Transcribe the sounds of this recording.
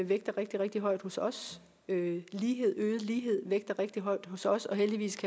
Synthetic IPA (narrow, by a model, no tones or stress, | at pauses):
ʋeɡ̥d̥ɐʁeɡ̥̚d̥iʁɛɡ̥̚d̥iɦɒ̽ɪ̰d̥hosɒ̽s | øliːɦe̝ð̰ˠøːð̞̩ˠliːɦe̝ð̞̰ˠʋeɡ̥̚d̥ɐʁeɡ̥̚d̥iɦɒ̽ɪ̰d̥ɦosɒ̽sɒ̽ɦeld̥iʋḭːskʰæ